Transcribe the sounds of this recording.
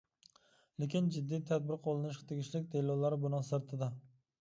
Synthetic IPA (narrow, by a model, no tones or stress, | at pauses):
lekʲɪnd͡ʒɪd̪ːijt̪ʰad̪̚bɪɾqʰolˠɪnɪʃqt̪ʰeɡʲɪʃlɪkʲt̪ʰelˠːɒwlaɾɪbʊnɪŋsɪɾt̪ʰɪd̪ɪ